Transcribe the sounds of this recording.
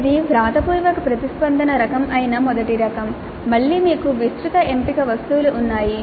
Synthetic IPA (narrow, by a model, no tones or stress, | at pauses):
d̪iʋɾaːd̪ɐpuːjʋɐkupɾɐt̪ispɐnd̪ʱɐnɐɾɐkɐmʔɐjinɐmɔd̪ɐʈiɾɐkɐmː | ɐɭːiːmiːkuʋist̪ɾut̪ɐeɳpikɐʋɐst̪uːluʔːnːaːji